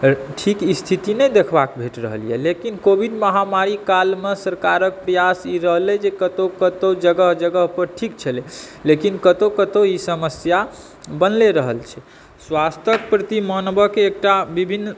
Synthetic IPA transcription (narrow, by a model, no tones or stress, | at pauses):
ʈʰikist̪ʰit̪inɛd̪ekʰbakbʱeʈɾə̰ɦəlijɛ̰lekinkobʱiɖməɦamaɾikalmesəɾkaɾək̚pɾəjasiɾəɦlɛd͡ʒekət̪okət̪od͡ʒəɡəɦd͡ʒəɡəɦpəɾʈʰik̚t͡ʃʰəlelekinkət̪okət̪oisəməsja | bənleɾəɦəlt͡ʃʰɛ | swast̪ək̚pɾət̪imənbəkeːk̚ʈabibʱinː